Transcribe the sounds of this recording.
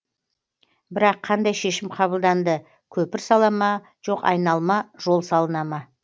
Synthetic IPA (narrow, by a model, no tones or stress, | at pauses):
bɪɾɑqʰːɑnd̪ɑjʃe̞ʃɪmqʰɑβəlˠd̪ɑnd̪ə | kʲʰɵpɪɾsɑlˠɑmɑ | ʒ̥o̞qɑ̰jnɑlˠmɑʒ̥o̞lˠsɑlˠənɑmɑ